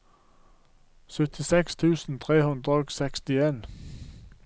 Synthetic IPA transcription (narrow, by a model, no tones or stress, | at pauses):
sœt̪ʰɪsɛkst̪ʰʉːsn̩t̪ʰʁeːhʉnd̪ʁəɔɡsɛkst̪ɪeːn